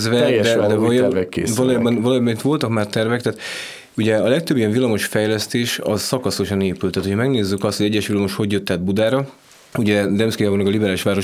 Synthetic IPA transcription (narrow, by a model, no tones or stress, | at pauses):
zvɛd̪ɛd̪ɛvvɛkːḛːvɒloːjaːbɔnvɒloːjaːbɒnit̪ʋo̞lt̪ɒkmaːrt̪ɛrvɛkt̪ɛaːt̪ | uɟɛɒlɛkt̪øbːijɛɱvilːɒmo̞ʃfɛjlɛst̪eːʃɒzsɒkɒso̞ʃɒneːpylt̪ːaːt̪uocʰɒmɛɡneːzːykɒst̪hoɟɛɟːɛʃʋilːɒmo̞ʃho̞ɟjøt̪ːɛd̪̚bud̪aːɾɒ | uɟɛd̪ɛmskijabonɛɡɒlibɛɾaːliʃʋaːɾo̞